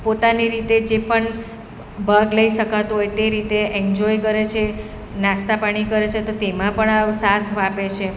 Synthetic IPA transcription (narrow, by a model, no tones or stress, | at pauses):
pot̪aniɾit̪ed͡ʒepəɳ | bʱəɡləiʃəkat̪uɦojt̪eɾit̪eʔɛnd͡ʒɔjkəɾet͡ʃʰe | nãst̪apaɽ̃ikəɾet͡ʃʰet̪ot̪emãpəɳasat̪ʰʋapet͡ʃʰe